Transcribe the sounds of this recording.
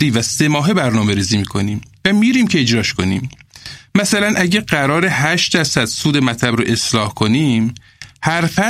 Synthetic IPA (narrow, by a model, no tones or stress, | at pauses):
iːvæse̞mɒːɦe̞bæɾnɒːme̞ɾiːziːmiːkʰo̞niːmvæmiːɾiːmcʰe̞ed͡ʒɾɒːʃkʰo̞nḭːmmæsælænʔæɟæɢæɾɒːɾehæʃt̪d̪æɾsæd̪̥suːd̪e̞mæt̪ʰlæbɾoʔe̞slɒːhkʰo̞niːm | hæɾfæ